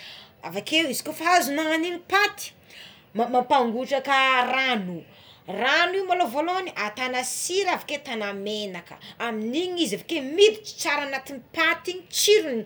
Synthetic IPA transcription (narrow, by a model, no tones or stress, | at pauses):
a̰vakewizikʲofaazunaaninipat̪i̥ | mamampaŋɡuʈ͡ʂakəranu | raniwmalovoloaniʔat̪anasiɾavaket̪anamenakə̰aminiɲizavakemid̪it͡ʃi̥t͡saɾanat̪inipat̪iɲit͡ʃiɾuni